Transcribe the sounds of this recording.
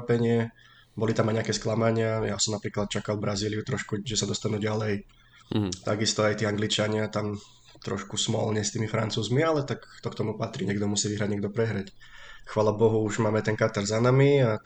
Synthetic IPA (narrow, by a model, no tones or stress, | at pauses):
pɛɲɪɛ | bɔlit̪amajɲɛakɛsklamaɲɪajasɔmnapɾiːklat̪̚t͡ʃakalˠbɾaziːlijut̪ɾɔʃkuʒɛsad̪ɔst̪anuːɟalɛj | t̪aɡist̪ɔajt̪iːaŋɡlit͡ʃaɲɪat̪am | t̪ɾɔ̰ʃkusmɔ̰lɲɛst̪iːmifɾa̰nt͡suːzmialɛt̪akt̪ɔkt̪ɔmupat̪ɾḭɲɛɡd̪ɔmusiːʋiɦɾaɟɲɛɡ̚d̪ɔpɾɛɦɾacxʋaːlabɔɦuuʒmaːmɛt̪ɛnkat̪ɛɾzanamia